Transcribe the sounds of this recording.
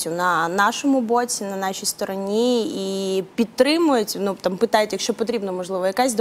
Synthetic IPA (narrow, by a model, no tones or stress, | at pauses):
tʲːʊnɐnɑʃɔmʊbot͡sʲinɐnɑʃʲijst̪ɔɾɔnʲiipʲit̪t̪ːɾɪmʊjʊtʲnut̪ampɨt̪ɑjʊtʲjɐkʃt͡ʃɔpɔt̪ɾʲibnɔmɔʒlˠɪʋɔjɐkazʲd̪